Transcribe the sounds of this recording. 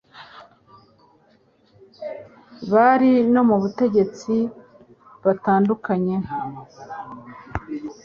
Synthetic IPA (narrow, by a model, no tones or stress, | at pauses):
βaɾino̞muβute̞ɟe̞t͡si | βataːndukaɲe̞